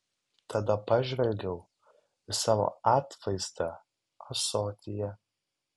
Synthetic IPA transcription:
t̪ʰɐd̪ɐpɑʒʲʋʲɛlʲɡʲɛʊ | ɪsɑːʋo̰ːɑːt̪ʋɐɪzt̪ɐ | ɐsoːt̪ʲɪjɛ

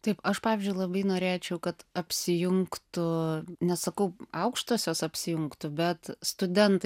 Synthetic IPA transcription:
t̪ɐɪpɐʃpɑːʋʲɪzʲd͡ʒʲʊɪlˠɐbɐɪnoːɾʲeːt͡ʃʲɛʊkɐt̪ɐpʲsʲɪjʊŋkt̪ʊnʲɛssɐkɐʊɐʊkʃt̪oːsʲjoːsɐpʲsʲɪjʊŋkt̪ʊbʲɛt̪st̪ʊd̪ʲɛnt̪ɐ

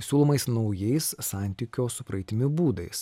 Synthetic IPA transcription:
sʲuːlˠoːmɐɪsnɒʊjɛɪssɑˑnʲt̪ʲikʲoːsʊpɾɐɪt̪ʲɪmʲɪbuːd̪ɐɪs

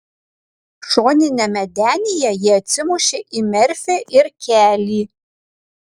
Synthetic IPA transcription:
ʂoːnɪnɛmɛdæːnʲɪjɛjɪɐt͡sɪmuʃɪʔimɛrfɛʔɪrkʲʰæːliː

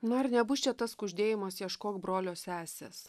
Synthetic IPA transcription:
nʊɐrnʲɛbʊst͡ʃʲɛt̪ɐskʊʒʲd̪ʲeːjɪmɐsjiɛʃkoːkbɾoːlʲoːsʲæːsʲḛːs

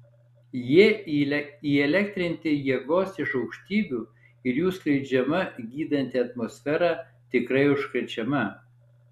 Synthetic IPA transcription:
jiɛilʲɛiːɛlʲɛkt̪ʲɾʲɪnʲt̪ʲɪjiɛɡoːsɪʃɒʊkʃʲt̪ʲiːbʲuː | ɪɾjuːsklʲɛɪd͡ʒʲɛmɐɡʲiːd̪ɐnʲt̪ʲɪɐt̪mosʲfʲɛɾɑː | t̪ʲɪkɾɐɪʊʃkɾʲɛt͡ʃʲɛmɐ

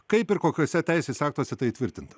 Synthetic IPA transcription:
kɐɪpɪɾkoːkʲoːsʲɛt̪ʲɛˑɪsʲeːsɑːk̚t̪oɔsʲɛt̪ɐɪt̪ʲʋʲɪɾʲt̪ʲɪnt̪ɐ̥

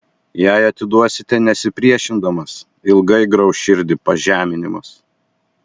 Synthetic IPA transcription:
jæˑɪɐt̪ʲɪd̪uɔsʲɪt̪ʲɛnʲɛsʲɪpʲɾʲiɛʃʲɪnd̪ɐmɐs | ɪlˠɡɐɪɡɾɐʊʃʲɪɾʲd̪ʲɪpɐʒʲæːmʲɪnʲɪmɐs

